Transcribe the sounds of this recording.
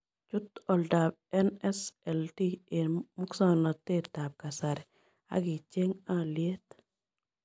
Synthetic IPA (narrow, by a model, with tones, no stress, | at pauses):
t͡ʃʊ˦t̪ɔ˨lda˨b̚ | ɛ˦nɛ˦sɛ˨lti˦e˨mʊ˦ksa˦nɔ˨t̪ɪ˦ɾda˨b̚ka˨sa˨ɾɛ | a̰˦ɡɪ˨t͡ʃe˦ŋa˦lje˦t̪